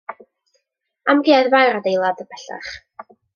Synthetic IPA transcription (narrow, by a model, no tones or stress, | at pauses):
amɡeaðvajɾadejlˠadəbʰɛɬa̰χ